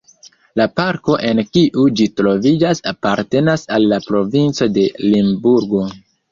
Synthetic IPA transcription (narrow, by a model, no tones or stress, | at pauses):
lapaɾko̞ʔe̞nkiʔud͡ʒitɾo̞vid͡ʒasapaɾte̞nasalːapɾo̞vint͡so̞de̞limbuɾɡo̞